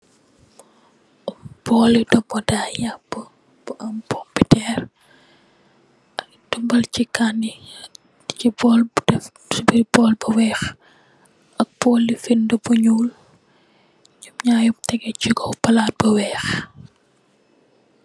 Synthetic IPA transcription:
ʔumbɔːlidɔmɔdaːjabːə | b̥uʔɐmpɔmpitɛːr | ʔɐk̚dumbɐlt͡ʃikani | t͡ʃibɔːldɛf | sbibɔːlbɐwɛːx | ʔɐk̚bɔːlːifindəbuɲuːl | ɲumɲaːjumtɛɡɛciɡɔbɐlaːt̚bɐwɛːx

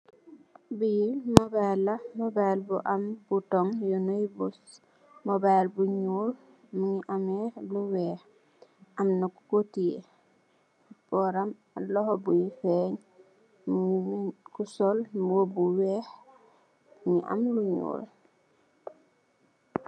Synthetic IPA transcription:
bijilmɔbajlːamɔbajlbuʔamb̥utɔŋjɔnoibus | mɔbajlbuɲuːl | muŋiʔamɛluwɛːh | amnaku̥kotiḛ | b̥ɔɾam | lɔhɔbujifeɲ | muŋiikusɔlmobuwɛh | uŋḭʔa̰mluɲṵːl

